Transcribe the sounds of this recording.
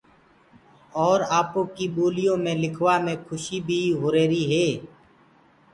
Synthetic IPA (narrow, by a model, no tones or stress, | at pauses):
ɔːɾaːpõːkiːɓoːlɪjõːmẽːlɪkʰʋaːmẽːkʰʊʃiːbʱiːɦʊɾeːɾiːɦeː